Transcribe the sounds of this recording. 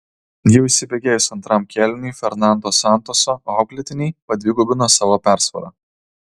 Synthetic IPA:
jɛʊɪʃʲsʲɪbʲɛɡʲeːjʊsɐnt̪ɾɐmkʲɛlʲɪnʲɛfʲɛɾnɑˑnd̪oːsɑˑnt̪oːsoːɑʊklʲɪt̪ʲɪnʲɛɪpɐd̪ʲʋʲiːɡʊbʲɪnoːsɑːʋoːpʲæˑɾsʋɐ̰ɾɐ̰

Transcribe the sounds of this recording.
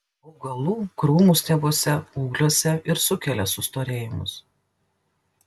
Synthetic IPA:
ɔʊɡɐlˠuːkɾuːmuːˑsʲt̪ʲɛboɔsʲɛuːɡlʲoɔsʲɛɪɾsʊkʲɛlʲɛsʊst̪oːɾʲeːjɪmʊ̰s

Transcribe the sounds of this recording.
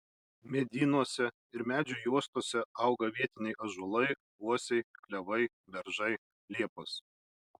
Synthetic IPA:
mʲɛd̪ʲiːnuɔsʲɛ | ɪɾmʲæːd͡ʒʲʊjuɔst̪uɔsʲɛɐˑʊɡɐʋʲiɛt̪ʲɪnʲɛɪʔɐʒʊlˠɐɪ | uɔsʲɛɪklʲɛʋɐɪ | ʋʲɛɾʒɐɪ | lʲiɛpʊs

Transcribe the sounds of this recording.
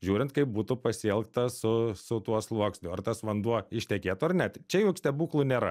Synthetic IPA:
ʒʲuːɾʲɪnt̪̚kɐɪp̚buːt̪ʊpɐsʲɪɛlˠkt̪ɐsʊsʊt̪uɔslˠuɔksʲnʲʊɐrt̪ɐsʋɐnd̪uɔɪʃʲt̪ʲɛkʲeːt̪ʊɐrnʲɛt̪t͡ʃʲɛjuːkʲsʲt̪ʲɛbuːklˠunʲeːɾɐ̰

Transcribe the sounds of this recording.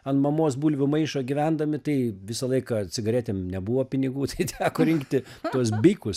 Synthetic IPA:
ɐnmɐmoːsbuːlʲʋʲɪmɐɪʃɐɡʲiʋʲænd̪ɐmʲɪt̪ɐɪʋʲɪsɐlˠɐɪkɐt͡sʲɪɡɐɾʲæːt̪ʲemnʲɛbuʋoːpʲɪnʲɪɡuːt̪ɐɪt̪ʲʰæːkoːɾʲɪŋkt̪ʲɪ | t̪uɔs̬bʲɪɪkʊs

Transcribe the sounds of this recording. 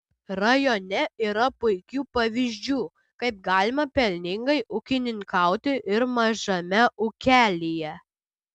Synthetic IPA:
ɾɐjɔnʲɛiːɾɐpʊɪkʲuːpɐʋʲizʲd͡ʒʲuː | kɐɪp̚ɡɑːlʲɪmɐpʲɛlʲnʲɪŋɡɐɪʔʊkʲɪnʲɪŋkɐˑʊt̪ʲɪʔɪɾmɐʒɐmʲɛʔʊkʲæːlʲijɛ

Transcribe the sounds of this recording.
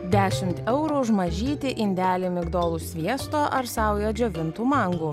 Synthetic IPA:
d̪ʲæːʃʲɪmʲt̪ɛʊɾuʒmɐʒʲiːt̪ʲɪʔɪnʲd̪ʲæːlʲɪmʲɪɡd̪oːlˠusʲʋʲiɛst̪oːʔɐɾsɑˑʊjoːd͡ʒʲoːʋʲɪnt̪uːmɐŋɡuː

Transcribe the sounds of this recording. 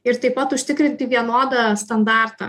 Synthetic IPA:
ɪɾt̪ɐɪpɐt̪ʊʃʲt̪ʲɪkɾʲɪnʲt̪ʲɪʋʲiɛnoːd̪ɐst̪ɐnd̪ɑːɾt̪ɑ̰

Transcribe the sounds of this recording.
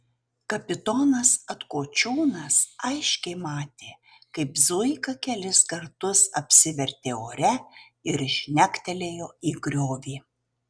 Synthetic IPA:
kɐpʲɪt̪ɔnɐsɐt̪koːt͡ʃʲuːnɐsɐɪʃʲkʲɛɪmɑːt̪ʲeː | kɐɪpzʊɪkɐkʲɛlʲɪskɐɾt̪ʊsɐ̰pʲsʲɪʋʲɛɾʲt̪ʲeːoːɾʲɛ | ɪɾɪʃʲnʲækt̪ʲɛlʲeːjoːiːɡɾʲoːʋʲiː

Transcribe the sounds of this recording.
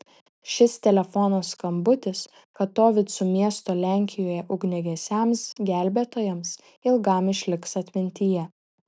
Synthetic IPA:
ʃʲɪst̪ʲɛlʲɛfɔnoːskɐmbʊt̪ʲɪs | kɐtt̪oːʋʲɪt̪sʊmʲiɛst̪oːlʲæˑŋʲkʲɪjoːjɛʔʊɡnʲɛɡʲɛsʲɛˑmsɡʲæˑlʲbʲet̪oːjɛms | ɪlˠɡɐˑmɪʃʲlʲɪksɐt̪ʲmʲɪnʲt̪ʲijɛ

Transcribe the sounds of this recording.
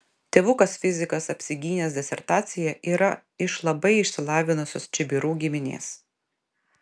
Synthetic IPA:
t̪ʲeːʋʊkɐsfʲɪzʲɪkɐsɐpʲsʲɪɡʲiːnʲeːsd̪ʲɛsʲɛɾt̪ɑːt̪sʲɪjɛʔiːɾɐ | ɪʃlˠɐbɐɪɪʃʲsʲɪlˠɑːʋʲɪnʊsʲoːst͡ʃʲɪbʲɪɾuːɡʲɪmʲɪnʲḛːs

